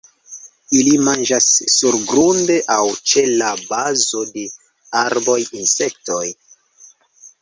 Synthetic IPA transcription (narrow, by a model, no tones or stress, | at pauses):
ilimand͡ʒasːuɾɡɾunde̞ʔawt͡ʃe̞labazo̞de̞ | aɾbo̞jinse̞k̚to̞j